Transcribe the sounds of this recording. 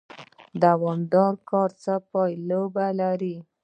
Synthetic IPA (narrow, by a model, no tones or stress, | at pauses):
d̪awɑmd̪ɑɾkɑɾt͡səpɑjlobalaɾi